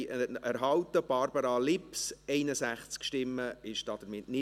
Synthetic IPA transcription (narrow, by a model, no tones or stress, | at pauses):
æɾɦɑwt̪əb̥ɑɾbəɾɑlɪpsɛɪnəsæχt͡skʃtɪmːəɪʃd̥ɑːd̥̪əɾmɪtnɪ